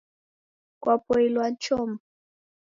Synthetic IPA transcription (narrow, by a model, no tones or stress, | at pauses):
kʼwapʼɔilwant͡ʃʰʼɔːma